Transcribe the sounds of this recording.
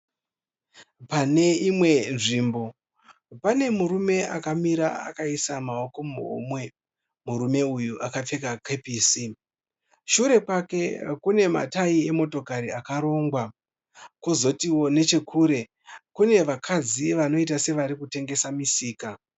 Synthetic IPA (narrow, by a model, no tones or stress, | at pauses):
pane̞imwe̞nʐiːmbo̞ | pane̞muɾume̞ʔakamiɾaa̰kaisamao̞ko̞muɦo̰mwe̞ | muɾume̞ujuʔakap͡fe̞kakepiːsi | ʃuɾe̞pake̞kune̞ma̰taie̞mo̞to̞kaɾiakaɾo̞ːŋɡwa | kozo̞tiwo̞ne̞t͡ʃe̞kʰuːɾe̞ | kune̞ʋakʰad͡ziʋano̞it̬ase̞ʋaɾikute̞ŋɡe̞samisiːka